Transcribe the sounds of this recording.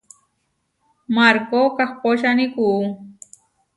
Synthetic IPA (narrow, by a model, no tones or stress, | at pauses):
maɾkokaχpoʃ̬aniku